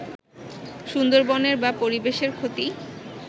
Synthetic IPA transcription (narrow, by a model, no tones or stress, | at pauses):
ʃund̪oɾbɔneɾbapoɾibeʃeɾkʰot̪i